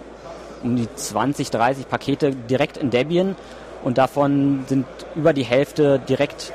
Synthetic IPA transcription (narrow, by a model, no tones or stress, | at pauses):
ʔʊmdiːt͡sv̥ant͡sɪçd̥ʁaɪsɪçpʰakʰeːtədiʁɛktɪndɛbiən | ʔʊnt̚d̥afɔnzɪnt | ʔyːbɐdiːɦɛlftədiʁɛkt